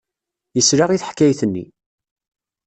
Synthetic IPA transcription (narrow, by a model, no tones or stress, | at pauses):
jəsɾaʁiθħkːæjθənːḭ